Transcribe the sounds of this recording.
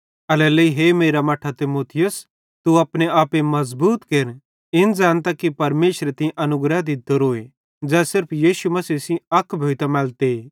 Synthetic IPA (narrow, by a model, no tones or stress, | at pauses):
ɐlɛːləiɦeːmeːɾamɐʈʰat̪ɪmoːt̪ʰɪjʊs | t̪uɐpneaːpemɐzbuːt̪keːɾ | ɪnd͡ʒaːnt̪akipɐɾmeːʃɾet̪ɐ̃ʔɐnʊɡɾad̪ɪt̪̚d̪oɾoːe | d͡ʒɛːsɪɾpʰjiːʃumɐsiːsĩɐkʰːbʱoːit̪amɛːlt̪e